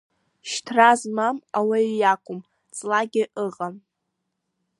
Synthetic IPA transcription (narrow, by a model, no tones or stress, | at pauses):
ʃtʰrazmamawaɥjakʷʼʊm | t͡sʼlaɡʲɪʔɨʁʼam